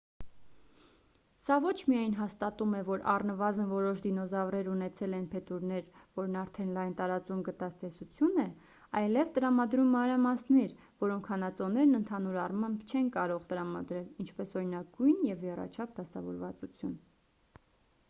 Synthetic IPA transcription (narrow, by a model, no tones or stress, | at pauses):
sɑvɔt͡ʃʰmijɑjnɦɑst̪ɑt̪umɛvɔɾʔɑ̰rnəvɑzənvɔɾɔʃd̪inɔzɑvrɛɾunɛt͡sʰɛlɛnpʰɛt̪uɾnɛɾvɔɾnɑɾt̪ʰɛnlɑjnt̪ɑɾɑt͡sumɡət̪ɑt͡st̪ɛsut͡sʰjunɛ | ɑjlɛvt̪əɾɑmɑd̪ɾumːɑnɾɑmɑsnɛɾ | vɔɾɔŋkʰhɑnɑt͡sɔnɛɾnənt̪ʰɑnuɾɑrmɑmbt͡ʃʰɛnkɑɾɔʁt̪əɾɑmɑ̰d̪ɾɛlint͡ʃʰpɛsɔɾinɑɡujnjɛvjɛrɑ̰t͡ʃʰɑp̚ʰd̪ɑsɑvɔ̰ɾvɑ̰t͡sut͡sʰjun